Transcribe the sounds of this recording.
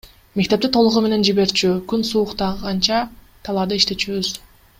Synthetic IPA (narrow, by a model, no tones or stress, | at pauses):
me̞k̚t̪e̞p̚t̪it̪ʰo̞lˠuʁume̞ne̞nd͡ʒiβe̞ɾt͡ʃykynsuːqt̪ɑʁʁɑnt͡ʃɑ | t̪ʰɑlˠɑd̪ɯiʃt̪e̞t͡ʃyβyz̥